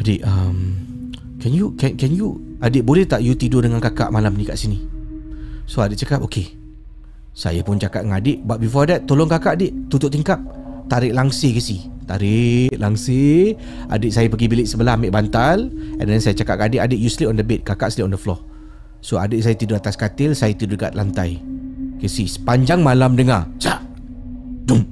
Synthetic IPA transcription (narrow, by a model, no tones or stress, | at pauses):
adɪʔəm | kɛnjukɛnkɛnjuadɪʔ̚bolɛht̪aʔjut̪idʊdəŋankaka̰ʔmalampənikaʔsini | soadɪʔ̚t͡ʃəkap̚okʰe | sa̰japʊnt͡ʃakaʔ̚ŋadɪʔbat̚bifɔdɛt̪ːolʊŋkakaʔadɪʔt̪ut̪ʊʔt̪iŋkap̚t̪aɾɪʔlaŋsɪkəsit̪aɾɪʔlaŋse | ʔa̰dɪʔ̚sajapəɡibilɪʔsəbəlahmɪʔbant̪alɛ̰̃ndɛnsajat͡ʃakaʔ̚kadɪʔadɪʔ̚jusliɔndəbet̪̚kakaʔsliʔɔndəflɔh | soa̰dɪʔsajat̪idʊat̪askat̪ɪlsajat̪idʊdka̰ʔ̪̚lant̪ajkɛsisə̥paɲd͡ʒaŋmalamdəŋat͡ʃaʔ | dum